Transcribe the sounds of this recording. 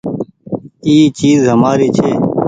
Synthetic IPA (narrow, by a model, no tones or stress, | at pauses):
iːt͡ʃiːzɦəmaːɾiːt͡ʃʰeː